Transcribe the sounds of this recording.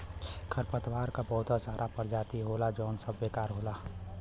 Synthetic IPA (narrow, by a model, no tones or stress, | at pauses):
kʰəɾpət̪ʋaːɾkabəɦʊt̪asaːɾʔapəɾd͡ʒaːt̪iɦoːlad͡ʒɔːnsəbːekaːɾɦoːla